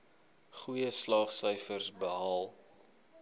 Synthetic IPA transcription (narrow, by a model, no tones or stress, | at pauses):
χujəslɑːχsœjfərsbəɦɑːlˠ